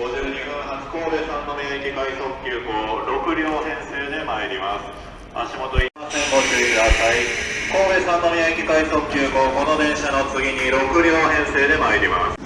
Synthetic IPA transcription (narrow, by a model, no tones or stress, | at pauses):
ɡo̞ʑɨːɲiɡɯ̃ɰ̃ɦat͡si̥ko̞ːbe̞sãnːo̞mʲiaikʲikaiso̞kʲɨːɡoːɾo̞kɯ̟ɾʲoːhẽ̞ɰ̃se̞ːd̪e̞maeɾʲimasɨ̥ | a̰ɕimo̞t̪o̞iasẽmbot͡ɕɨikɯ̟d̪asaiko̞ːbe̞sãnːomʲiaikʲikaiso̞kʲːɯːɡo̞ːɡo̞no̞d̪ẽ̞ɰ̃ɕano̞t͡sɨɡʲiɲ̟iɾo̞kɯ̟ɾʲoːhẽ̞ɰ̃se̞ːd̪e̞maeɾʲima̰sɨ̥